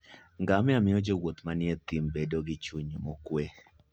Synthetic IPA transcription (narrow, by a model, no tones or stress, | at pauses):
ŋɡamɛamɪɔd͡ʒowwot̪manɪet̪imbedoɡɪt͡ʃuɲmɔkwe